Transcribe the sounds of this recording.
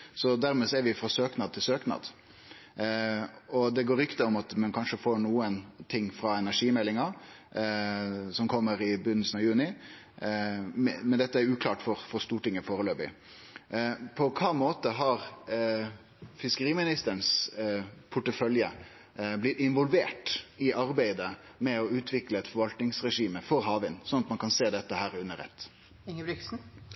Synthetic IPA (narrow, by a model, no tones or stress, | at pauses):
sɔd̪æɾmɛsɔæɾʋɪfɾɑsøːknɑd̪t̪ʰɪlsøːknɑ̰d̪ | ɔd̪ɛɡoːɾʏkt̪əʊmɑt̪mɛnkʰɑnʂəfoːɳuːənt̪ʰɪŋːfɾɑɛnæʂiːmɛlːɪŋɑ | sɔmkʰɔmːəɾɪbʉnd̪əsnɑʋjʉːnɪ | mmɛnd̪ɛt̪ːəæɾʉːkʰlɑːʈfɔɾfɔɾst̪uːʈɪŋːəfoːɾəløːbɪ̰ | pʰɔkʰɑːmoːt̪əɦɑɾ | fɪskəɾiːmɪnɪst̪əɳs | pʰʊʈːəfœljə | blɪt̪ɪnʋɔlʋeːʈɪʔɑɾbæɪd̪ə | mɛɔʉːt̪ʰʋɪkləɛt̪fɔɾʋɑlt̪nɪŋsɾɛʂiːməfɔɾɦɑːʋɪnsɔnɑt̪mɑnkʰɑnseːd̪ɛt̪ːəhæːɾʉnːəɾɛ̰t̪ː | ɪŋəblɪksn̩